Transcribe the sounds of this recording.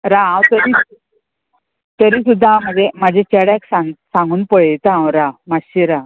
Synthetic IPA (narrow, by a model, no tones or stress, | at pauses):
ɾaãwt̪əɾi | t̪əɾiːsud̪ʱːam̤əd͡zemad͡ʑʱet͡ɕeɽaksaŋɡsãŋɡuːnpəɭet̪aãwɾamaɕiɾa